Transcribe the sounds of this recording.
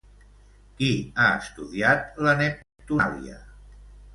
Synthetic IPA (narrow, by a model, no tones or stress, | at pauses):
kiaəst̪uðiat̪lənɛp | t̪ulḭə̰